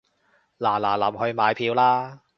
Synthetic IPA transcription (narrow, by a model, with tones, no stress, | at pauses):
laː˨˩laː˨˩lɐ˨˩mhɵ˧ɥmaː˨˧jpʰiː˧wlaː˥